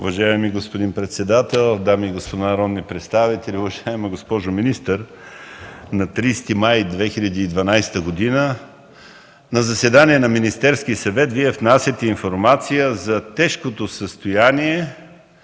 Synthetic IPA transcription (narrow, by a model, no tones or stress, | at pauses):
uvɐʒaɛmiɡospod̪inpɾɛt̪sɛd̪at̪ɛlˠd̪amiːɡospod̪anɐɾɔd̪nipɾɛt̪st̪avit̪ɛlʲiʊvɐʒaɛmɐɡospɔʒʊminist̪əɾ | nɐt̪ɾiːst̪imajd̪vɛxilʲɐd̪iːd̪vɐnajst̪əɡod̪inə | nɐzɐsɛd̪aniɛnɐminist̪ɛɾskisɐvɛt̪viɛvnasʲət̪ɛinfoɾmat̪sijəzɐt̪ɛʃkot̪osəst̪ojaniɛ